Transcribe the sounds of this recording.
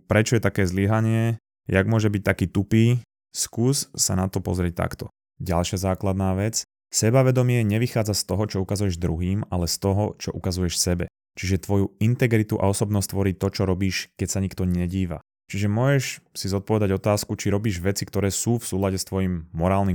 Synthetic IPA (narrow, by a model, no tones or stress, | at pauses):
pɾɛt͡ʃɔjɛt̪akɛːzliɦaɲɪɛ | jaɡmʊɔʒɛbic̚t̪akiːt̪upiː | skuːssanat̪ɔpɔ̰zɾɪɛc̚t̪a̰kt̪ɔ | ɟalʃɪazaːklad̪naːʋɛt͡s | sɛbaʋɛd̪ɔmɪɛɲɛʋixaːd͡zast̪ɔɦɔt͡ʃɔukazujɛʒd̪ɾuɦiːmalɛst̪ɔɦɔt͡ʃɔʔukazujɛʃsɛbɛ̰ | t͡ʃiʒɛt̪ʋɔjuint̪ɛɡɾit̪uʔa̰ɔsɔbnɔst̪ʋɔɾiːt̪ɔt͡ʃɔɾɔbiːʃkɛcsaɲikt̪ɔɲɛɟiːʋa̰ | t͡ʃiʒɛmʊɔʒɛʃsizɔt̪̚pɔʋɛd̪aɟɔt̪aːskut͡ʃiɾɔbiːʒʋɛt͡sikt̪ɔɾɛːsuːfsuːlaɟɛst̪ʋɔjimːɔɾaːlni